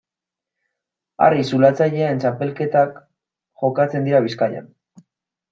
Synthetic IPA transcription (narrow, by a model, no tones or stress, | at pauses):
a̰risulat͡saʎe̞ːnt͡ʃape̞lke̞t̪ak | ʝo̞kat͡se̞nd̪iɾaβ̞iskaja̰n